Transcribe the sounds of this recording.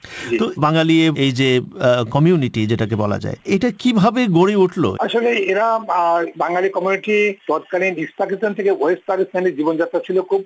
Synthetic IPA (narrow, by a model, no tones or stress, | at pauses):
it̪obaŋalieejd͡ʑekɔmijuniʈid͡ʑeʈakebɔla̰d͡ʑa̰eeʈakibʱabeɡoɽeuʈʰlo̰aʃoleeɾabaŋlalikɔmijuniʈit̪ɔt̪̚kaɽ̃inist̪akit̪ont̪ʰekeboesp̪akist̪ʰaneɾd͡ʑibond͡ʑat̪ːɾat͡ɕʰilokʰub̚